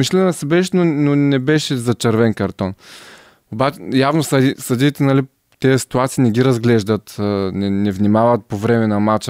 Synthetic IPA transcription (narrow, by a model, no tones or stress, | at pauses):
miʃlʲɛnnɐsɛbɛʃnononɛbɛʃɛzɐt͡ʃɐɾvɛnkɐɾt̪ɔn | obat͡ʃjavnosɐisɐd̪it̪ɛnɐli | t̪ɛɛsi̥t̪uat̪siːnɛɡʲiɾɐzɡlɛʒd̪ət̪ənɛnɛvnimavɐt̪̚povɾɛmɛnɐmat͡ʃ